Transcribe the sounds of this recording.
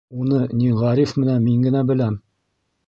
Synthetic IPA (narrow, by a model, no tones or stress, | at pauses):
unɤniʁɑɾifmɘ̆nænmiŋɡɘ̆næbɘ̆læm